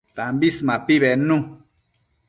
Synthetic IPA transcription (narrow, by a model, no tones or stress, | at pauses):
t̪ãmbismãpiβenũ